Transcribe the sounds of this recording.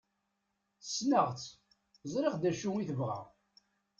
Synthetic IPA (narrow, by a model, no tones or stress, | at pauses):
θsnəʁt͡sː | zˤɾˤeχd̪æʃuiθəvʁa̰ʁ